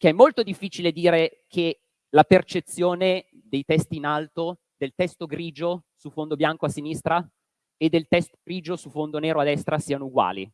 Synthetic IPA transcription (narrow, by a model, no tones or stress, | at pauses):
keɛmːolt̪od̪ifːiːt͡ʃiled̪iːɾekʰe | lapert͡ʃet̪sːjoːne | d̪ejt̪ɛst̪iːnalt̪o | d̪elt̪ɛst̪oɡɾiːd͡ʒosufond̪objaŋkoasːinist̪ɾa | ed̪ːelt̪ɛst̪o̥ɡɾiːd͡ʒosufond̪oneːɾoad̪ɛst̪ɾasiːanouɡwa̰ːlḭ